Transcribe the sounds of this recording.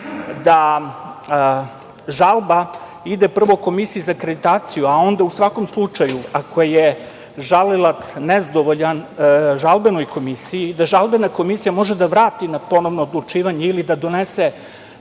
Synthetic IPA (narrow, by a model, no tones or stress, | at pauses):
d̪a | ʒalˠba | id̪epr̩ʋo̞ko̞misijizakɾe̞d̪it̪aːt̪sijuao̞nd̪ausʋako̞mslˠut͡ʃajuako̞je | ʒalelˠat̪snezad̪o̞ʋoʎanʒalˠbeno̞jko̞misijiːd̪aʒalˠbenako̞misijamo̞ʒed̪aʋɾaːt̪inapo̞no̞ʋnoːd̪lˠut͡ʃiːʋaɲeilid̪ad̪o̞nese